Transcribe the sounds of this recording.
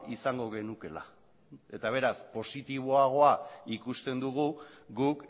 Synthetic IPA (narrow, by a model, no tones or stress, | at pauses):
isaŋɡo̞ɣ̞e̞nuke̞la | e̞t̪aβ̞e̞ɾaspo̞sit̪iβ̞o̞aɣ̞o̞aikust̪e̞nd̪uɣ̞uɡuk